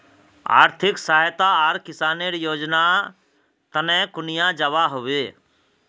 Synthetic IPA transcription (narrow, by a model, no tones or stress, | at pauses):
a̰ːɾt̪ʰɪksaːjt̪aaːɾkɪsaːneɾjoːd͡ʒna | t̪ənɛ̃ːkʊnɪjãd͡ʒəʋaɦoʋeː